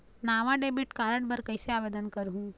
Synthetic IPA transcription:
naːʋaɖeːbiʈkaːɾəɽbəɾkəɪseaːʋeːd̪ənkəɾɦũː

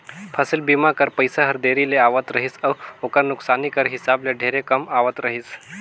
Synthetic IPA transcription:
pʰəsəlbimakəɾpəjsaɦəɾd̪eɾileaʋət̪ɾəɦisawokəɾnuksanikəɾɦisableɖʱeɾekəmaʋət̪ɾəɦiːs

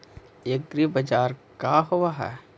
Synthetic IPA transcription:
jeɡɡɾibɐd͡ʒaːɾkaɦowaɦɛ̰

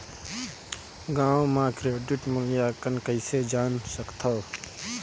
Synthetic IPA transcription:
ɡãːmãːkɾeːɖɪʈmʊljaːkənkəɪseːd͡ʒaːnsəkt̪ʰaː

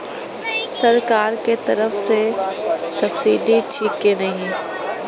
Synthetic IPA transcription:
sɐɾkaːɾket̪ɐɾəfse | sɐbsid̪ʱit͡ʃʰiːkːenɐɦĩ

